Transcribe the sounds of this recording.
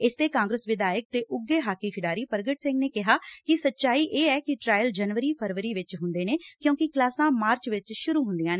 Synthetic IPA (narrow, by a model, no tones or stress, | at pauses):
ɪst̪eːkãːŋɡɾəsʋɪd̪aːjək̚t̪eːʔʊɡːeːɦaːkiːʃʰɪɖaːɾiːpəɾɡəʈsɪ̃ŋɡneːkɪɦaːkɪsətːʃaːiːʔeːɛːkɪʈɾaːjəld͡ʒənʋəɾiːpʰəɾʋəɾiːʋɪt͡ʃɦʊ̃nd̪eːneːkjõːkɪklaːsãːmaːɾt͡ʃʋɪt͡ʃʃʊɾuːɦʊ̃nd̪ɪjãːneː